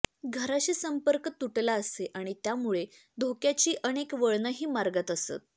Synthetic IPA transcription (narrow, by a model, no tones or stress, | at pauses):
ɡʱəɾaɕiːsəmpəɾkt̪uʈlaəseʔaɽ̃it̪jamuɭe | d̪ʱokjat͡ɕiːʔəñekʋəɭɳəɦiːmaɾɡət̪əsə̰t̪̚